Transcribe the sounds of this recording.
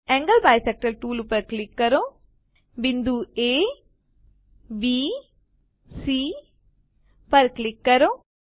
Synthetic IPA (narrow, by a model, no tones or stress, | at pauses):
eŋɡɐlbaːjsek̚ʈɐlʈuːlupɐɾklikːɐɾo | ʋind̪ueː | biː | siː | pɐɾklikːɐɾo